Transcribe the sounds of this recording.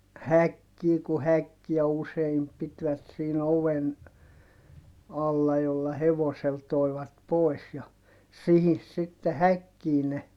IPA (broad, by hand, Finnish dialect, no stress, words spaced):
hækːiː ku hækːiæ useim pitʋæt siːn oʋen ɑlːɑ jolːɑ heʋosel toi̯ʋɑt poˑis jɑ sihis sitːe hækːiː ne